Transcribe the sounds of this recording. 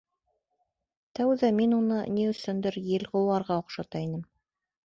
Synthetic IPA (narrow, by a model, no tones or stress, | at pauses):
t̪æwðæminunɤnʲiɵ̆sɵnd̪ɘɾjɘ̆lʁŏwɑɾʁɑŏqʃɑt̪ɑinɘm